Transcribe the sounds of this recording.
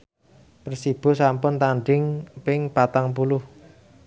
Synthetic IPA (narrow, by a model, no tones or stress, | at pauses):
pərsib̥o̤sampʊnt̪aɳɖɪŋpɪŋpat̪aŋpulʊh